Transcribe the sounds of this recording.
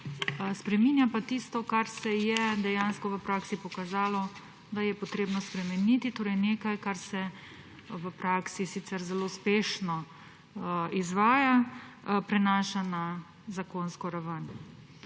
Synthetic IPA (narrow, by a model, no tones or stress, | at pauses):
spɾɛmiːnjapat̪ist̪ɔkaɾsɛjɛd̪ɛjanskɔʋəpɾaːksipɔkazaːlɔ | d̪ajɛpɔt̪ɾeːbnɔspɾɛmɛnit̪it̪oːɾɛjneːkajkaɾsɛ | ʋəpɾaːksisit̪sɛɾzɛloːuspeːʃnɔ | izʋaːjapɾɛnaːʃana | zakoːnskɔɾaʋən